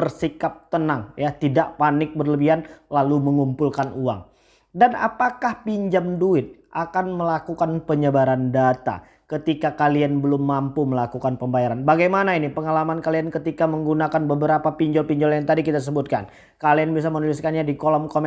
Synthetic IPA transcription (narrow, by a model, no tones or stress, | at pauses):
bərsikap̚t̪ənaŋjat̪idaʔpanɪk̚bərləbiɦanlaluməŋumpulkanua̰ŋ | dana̰pakahpiɲd͡ʒamduɪt̪̚ʔakanməlakukanpəɲəbaɾandat̪a̰ | kət̪ikakalianbəlʊmːampuməlakukanpəmbajaɾanbaɡajmanainipəŋalamankaliankət̪ikaməŋɡunakanbəbəɾapapiɲd͡ʒɔlpiɲd͡ʒɔljaŋt̪adikit̪as̬əbut̪̚ka̰n | kalianbis̬amənulɪskanɲadikolɔmkɔm